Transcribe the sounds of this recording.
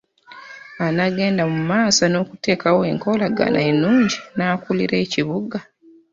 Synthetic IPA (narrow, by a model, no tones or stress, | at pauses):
anaɡe̞ːndamumaːsano̞ːkute̞ːkawoḛŋko̞laɡa̰na̰enuːɲɟinaːkulḭɾe̞ːciβuɡa